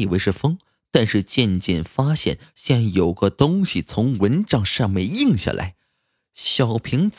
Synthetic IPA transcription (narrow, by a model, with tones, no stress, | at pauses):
i˨˩we˧˥ɪʂɻ̩˥˩fɤ˥ŋ | t̪a˥˧nʂɻ̩˥˧t͡ɕjɛ˥˧nt͡ɕjɛ̰˥˩nfa˥ɕjɛ̰˥˩nɕɛ˥n˥˩jo˨˩ʊɡə˧t̪ʊ˥ŋɕi˨t͡sʰʊ˧˥ŋwə˧˥nʈ͡ʂɑ˥˩ŋʂɑ˥˧ŋme˥˧ɪi˥˧ŋɕja̰˥˩lʔa̰˧˥ɪ | ɕjɑ˨˩ʊpʰi˧˥ŋt͡s